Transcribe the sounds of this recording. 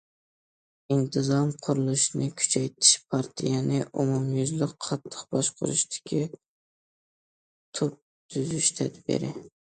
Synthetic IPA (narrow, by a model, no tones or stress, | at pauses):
int̪ʰɨzɑmqʰʊɾɨlˠɨʃnɪkʲʰy̥t͡ʃʰɛjt̪ʰɪ̥ʃpʰɑɾt̪ʰijɛnɪʔumumjyzlɪqqʰɑt̪ʰːə̥qbɑʃqʰʊ̰ɾɨ̰ʃt̪ʰɪ̥kʲʰi | t̪ʰop̚ | t̪ʰyzyʃt̪ʰæd̪bḛɾɪ